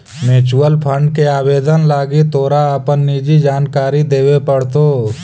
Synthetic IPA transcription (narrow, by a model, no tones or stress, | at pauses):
meːt͡ʃuəlpʰə̃ɳɖkeaːbeːd̪ənlaːɡit̪oːɾaːpənːiːd͡ʒid͡ʒaːnkaːɾid̪eːwepəɽt̪oː